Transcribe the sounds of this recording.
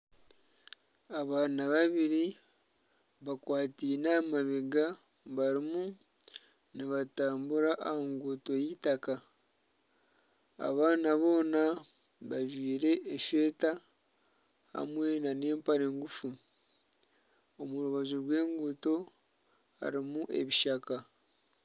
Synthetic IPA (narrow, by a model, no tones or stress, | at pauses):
aβaːnaβaβiɾi | βakwaːtinamaβeɡa | βaɾimu | niβataːmbuɾaʔːhaŋɡuto̞jitaka | a̰βaːnaβo̞ːna | βaʒwiːɾe̞ʔːʃe̞ːta | ha̰mwe̞nane̞ːmpaɾe̞ːŋɡufu | omuɾuβazuɾwe̞ːŋɡuto̞ | ha̰ɾimuʔe̞̰βiʃaka